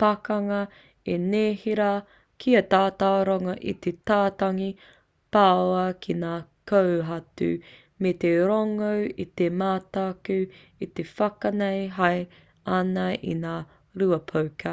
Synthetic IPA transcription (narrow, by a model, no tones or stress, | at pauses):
pakɐŋɐ | eneːhiɾɐ | kʰiɐt̪aːtaɾoŋɐʔḭt̪etaːtaŋi | paoɐkʰinaː | kowɦɐtʉ̰ | met̪eɾoŋowit̪emaːt̪aakʉ | it̪efɐkɐnejɦɐj | ɐnɐḭnaː | ɾuɐpʰowkʰɐ